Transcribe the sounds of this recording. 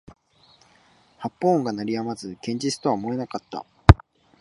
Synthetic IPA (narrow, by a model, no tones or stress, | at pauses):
hapːõːŋɡanaɾʲijamazɨkẽ̞ɲ̟d͡ʑit͡sɨ̥t̪o̞βamo̞e̞nakat̪ːa̰